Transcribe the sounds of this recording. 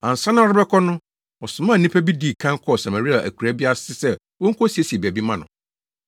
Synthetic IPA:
ã˨n̩˨sã˦nã˦ɔ˦ɾɪ˦bɛ˦kʰɔ˦nʊ̃˦ | ɔ˨sʊ˨mã˦˨nĩ˦pʰæ˦bi˦di˦˨kʰã˦ŋ˦kʰɔ˦˨sã˨mã˨ɾi˦a˨ʔæ̰˨kʰu˨ɾæ˦bi˦a˦sɪ˦sɛ˦ | wɔ˦ŋ̩˦kʰɔ˦si˨e˦si˨e˨bæ˨bi˦mã˦˨nʊ̰̃˨

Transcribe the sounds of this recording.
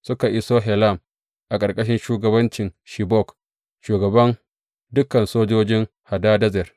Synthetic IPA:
sʊ˦ka˨ʔɪ˦soː˦ɦɛ˨la˦˨m | ʔa˨kʼɐ˨rkʼɐ˦ʃ̬ɪ˦nʃuː˦ɡɐ˨bɐ˦nt͡ʃɪ˨nʃi˨bɔ˦˨k | ʃuː˨ɡɐ˨bɐ˦n | dʊ˦kɐ˨nsoː˦d͡ʒoː˦d͡ʒɪ˦ŋ | ha˨daː˦dɐ˦zɛ˨r

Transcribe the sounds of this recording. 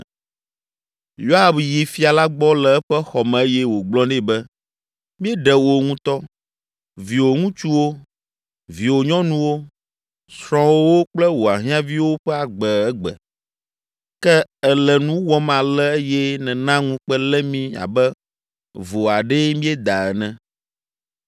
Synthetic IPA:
jo˦ɦa˨bji˨fi˦a˨la˦ɡ͡bɔ˦lɛ˨ɛ˦ɸɛ˦xɔ˨mɛ̃˨e˦jɛ˦wo˨ɡ͡blɔ̃˦nɛ̃˦bɛ˦ | mĩ˦ɛ˦ɖɛ˨wo˨ŋũ˦t̪ɔ˦ | vi˨wo˨ŋũ˦t͡ʃu˦wo˦ | vi˨wo˨ɲɔ̃˦nũ˦wo˦ | sɾ̃ɔ̃˨˦wo˦wo˦k͡plɛ˦wo˨a˨ɦĩ˦ã˦vi˦wo˦ɸɛ˦a˨ɡ͡bɛ˨ɛ˦ɡ͡bɛ̰˨ | kɛ˦ɛ˨lɛ˨nũ˦wɔ˦mã˨lɛ˦e˦jɛ˦nɛ̃˨nã˦ŋũ˦k͡pɛ˦lɛ˦mĩ˦a̰˨bɛ˦ | vo˨a˨ɖɛ˦mĩ˦ɛ˦d̪a˨ɛ˨nɛ̃˦

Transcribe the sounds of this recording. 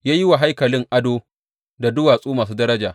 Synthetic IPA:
jaː˦jɪ˦wa˨ɦa˦jkɐ˨lɪ˦ŋʔa˦doː˦ | da˨dʊ˦waː˨sʼuː˦maː˨s̬uː˦dɐ˦ɾɐ˦d͡ʒaː˨

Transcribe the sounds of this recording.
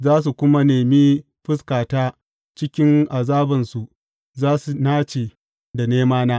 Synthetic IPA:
zaː˦s̬u˨kʷʊ˦ma˦neː˨miː˦ | ɸɪ˦skaː˨taː˦ | t͡ʃɪ˦kʲɪ˦ŋʔa˨zaː˦bɐ˨nsu˨ʔ | zaː˦su˨naː˦t͡ʃeː˨ | da˨neː˦maː˦naː˦

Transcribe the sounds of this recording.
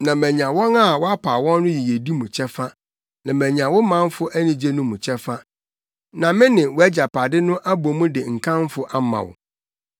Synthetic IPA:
nã˨mæ̃˨ɲ˨ã˨wɔ̃˦na˦˨wɔ˦a˦pʰaː˨wɔ̃˦nːʊ̃˦ji˨je˨di˦mũ˨t͡ɕʰɛ˦fa˦ | nã˨mæ̃˨ɲ˨ã˨wʊ˦mã˦m˦fʊ˦ʔæ˦nĩ˨d͡ʑe˦nʊ̃˦mʊ̃˨t͡ɕʰɛ˦fa˦ | nã˨mɪ̃˦nɪ̃˨wɔ˦æ˦d͡ʑa˨pʰa˨dɪ˦nʊ̃˦ʔæ˦bo˨mʊ̃˦dɪ˨ŋ̩˨kʰã˦m˦fʊ˦ʔa˦mã̰˨wʊ̰˨

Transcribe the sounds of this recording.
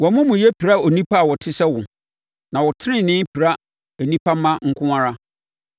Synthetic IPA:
wɔ˨mʊ̃˦mʊ̃˨jɛ˦pʰi˨ɾa˦o˨nĩ˦pʰa˦a˨wɔ˨tʰɪ˦sɛ˦wʊ̃˨ | nã˨wɔ˨tʰɪ˦ɪ̃˦˨nɪ̃˦pʰi˨ɾa˦ | æ˨nĩ˦pʰa˦mã˦ŋ̩˦kʰʊ̃˦a˦ɾa˦

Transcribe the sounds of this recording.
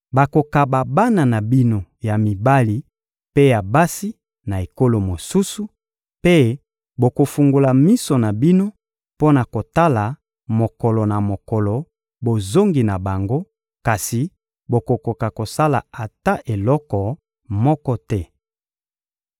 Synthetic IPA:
ba˨ko˨ka˨ba˨ba˦na˨na˨bi˦no˨ja˨mi˨ba˦li˨ | pe˦ja˨ba˦si˦ | na˨e˨ko˦lo˨mo˨su˦su˦ | pe˦ | bo˨ko˨fu˨ŋɡo˨la˨mi˦sɔ˨na˨bi˦no˦ | po˦na˨ko˨ta˦la˨ | mo˨kɔ˨lɔ˨na˨mo˨kɔ˨lɔ˨ | bo˨zo˦ŋɡi˨na˨ba˨ŋɡo˦ | ka˨si˨ | bo˨ko˨ko˨ka˨ko˨sa˦la̰˨a˨ta˦ʔe˨lɔ˦kɔ˨ | mɔ˦kɔ˦tɛ˦

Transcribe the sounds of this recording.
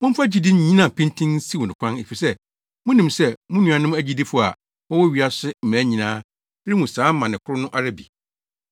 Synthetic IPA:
mʊ̃˦m̩˦fa˦d͡ʑi˦dɪ̃˦n˦ɲĩ˦nã˨pʰĩ˦ntʰĩ˦n˦si˦wɔ˨nɪ̃˨kʷʰã˦ne˨fi˨sɛ˦ | mʊ̃˦nĩ˨msɛ˦mʊ̃˦nũ˨ã˨nʊ̃˦æ˦˨d͡ʑi˦di˦fʊ˨a̰˨ | ɔ̃˦wɔ˦ɥi˨˦a˦sʊ˦m̩˨mæ̃˨˦ɲĩ˨nãː˦ | ɾi˦mũ˨sãː˨˦m̩˦mã˨nɪ̃˨kʰʊ˦ɾʊ˦nʊ̃˦ʔa˨ɾa˦bi˨

